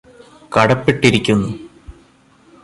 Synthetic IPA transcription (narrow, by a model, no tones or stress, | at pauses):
kɐɽɐpːiʈːiɾikʲːunːu